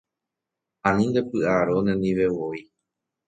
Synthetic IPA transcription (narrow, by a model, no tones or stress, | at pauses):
ãnĩnd̪e̞pɨaɾonẽnĩʋeʋoi